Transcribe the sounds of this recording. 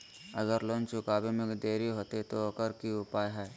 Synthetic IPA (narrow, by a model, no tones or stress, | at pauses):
ɐɡəɾlõːnt͡ʃʊkaːbemẽkd̪eːɾiɦoːt̪et̪oɐkəɾkiʊpaːjɦɛː